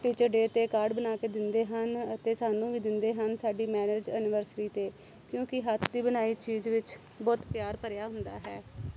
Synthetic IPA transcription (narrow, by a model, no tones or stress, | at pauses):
ʈiːt͡ʃəɾɖeːt̪eːkaːɾɖbənaːkeːd̪ɪnd̪eːɦənət̪eːsaːnũːʋiːd̪ɪnd̪eːɦənsaːɖiːmɛːneːd͡ʒənɪʋəɾsʈiːt̪eː | kjõːkɪɦət̪ʰd̪iːbənaːiːt͡ʃiːzʋɪt͡ʃ | bɔːt̪pjaːɾpəɾjaːɦʊnd̪a̰ːɦɛ̰ː